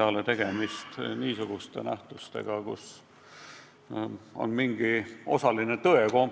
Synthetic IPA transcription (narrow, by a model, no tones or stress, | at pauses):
ɑlet̪e̞ɡ̥e̞mist̪niːsuɡ̥ust̪e̞̰næht̪ust̪ḛɡ̥ɑkṵs | o̞̰nmiŋɡ̥io̞̰sɑlinet̪ɤekom